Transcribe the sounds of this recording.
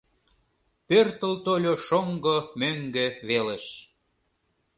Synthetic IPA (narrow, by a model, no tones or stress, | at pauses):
pørt̪əlt̪olʲoʃoŋɡomøŋɡø̆βeleʃ